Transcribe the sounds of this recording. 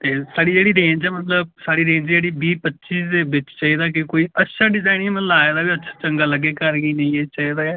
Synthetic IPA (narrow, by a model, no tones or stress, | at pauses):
t̪eːsaːɽiːd͡ʒeːɽiːɾẽːnd͡ʒɛːmət̪ləb̚saːɽiːɾẽːɲd͡ʒd͡ʒeːɽiːbiːpətːʃiːsd̪eːbɪt͡ʃt͡ʃaːiːd̪aːk̬ɪkoːiːətːʃʰaːɖɪzaːɪnĩməlaːeːd̪aːbiːətːʃʰḁːt͡ʃəŋɡaːləɡːeːkəɾɡəiːnə̃ĩːeːt͡ʃaːiːd̪aːɛː